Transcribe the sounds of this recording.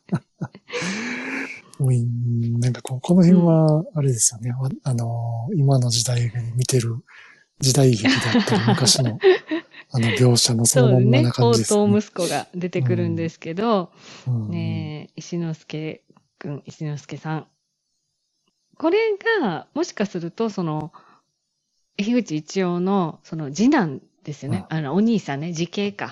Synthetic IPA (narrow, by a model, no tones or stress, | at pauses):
oːĩnãŋkḁko̞ːko̞no̞hẽɰ̃βaːɾe̞d̪e̞sɨ̥jo̞ne̞aano̞imano̞d͡ʑid̪aiɡamʲit̪e̞ɾɯ̟ | d͡ʑid̪aiçiid̪aːemɯkaɕino̞ | ano̞bʲo̞ːɕano̞soonːomõnanakãod͡ʑːid̪eso̞ːmɯ̟sɨ̥ko̞ɡa̰d̪e̞t̪e̞kɯ̟ɾɯ̟̃nd̪e̞sɨ̥ke̞d̪o̞ | neiɕinosɨ̥ke̞ | kɯ̟̃ŋiɕinosɨ̥ke̞sãŋ | ko̞ɾe̞ɡamo̞ɕi̥kasɨɾɯ̟t̪o̞so̞no̞ | eçiɡɯ̟t͡ɕiːt͡ɕio̞ːno̞so̞no̞d͡ʑinãn | d̪̥e̞sɨjo̞ne̞anoːɲ̟iːsãnːed͡ʑike̞ːka